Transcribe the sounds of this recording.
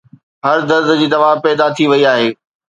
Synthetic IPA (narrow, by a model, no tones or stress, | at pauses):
ɦɐɾd̪ɐɾd̪̆d͡ʑiːd̪ɐʋaːɦpɛːd̪at̪ʰiʋɐiaːɦeː